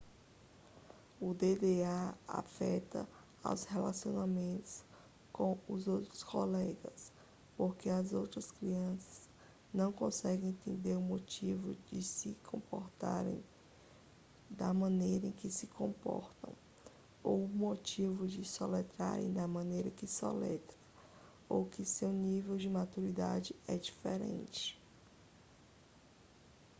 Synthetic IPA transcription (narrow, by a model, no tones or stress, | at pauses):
ʊd̪ed̪eaa̰fɛt̪ɐ̰ | a̰wshelasio̰namẽnt̪ʊ̥s | kõwʊzowt̪ɾʊskolɛɡɐ̰s | poɾkeɐzowt̪ɾɐskɾiɐ̃sɐ̥z | nɐ̃w̃kõsɛɡẽẽnt̪ẽnd̪eɾʊmot͡ʃivʊd͡ʒɪsɪkʰõpoɾt̪a̰ɾḛ̃j̃ | d̪ɐmɐ̃nejɾɐẽkɪsɪkõpɔ̰ɾt̪ɐ̰̃w̃ | owʊmot͡ʃivʊd͡ʒɪsolet̪ɾa̰ɾḛ̃j̃d̪ɐmɐ̃nejɾɐkɪso̰lɛt̪ɾɐ | owkɪsewnivewd͡ʒɪmat̪uɾid̪ad͡ʒɪɛd͡ʒifeɾḛ̃nt͡ʃɪ̥